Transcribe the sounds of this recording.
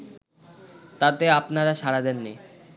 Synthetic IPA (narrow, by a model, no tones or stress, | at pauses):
t̪at̪eapnaɾaʃaɾad̪enːi